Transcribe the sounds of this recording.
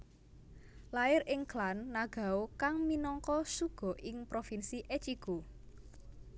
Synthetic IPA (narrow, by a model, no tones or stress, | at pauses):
laɪɾɪŋklanːaɡ̥a̤okaŋminɔŋkɔsuɡ̥ɔ̤ʔɪŋpɾofinsiʔet͡ʃiɡ̥o